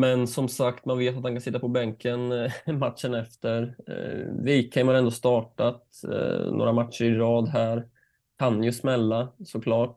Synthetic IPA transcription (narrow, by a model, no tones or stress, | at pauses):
mɛnsɔmsakt̪manveːt̪at̪̚hankansɪt̪ːapɔbɛŋkʰənmat̪ʂənɛft̪əɾ | vikʰːɛɪmhaɾɛnd̪oːst̪ɑːʈat̪ | no̰ːɾamat̪ʂəɾɪɾɑːd̪ɦæːɾ | kʰanːjɵsmɛlːasɔkʰlɑːʈ̚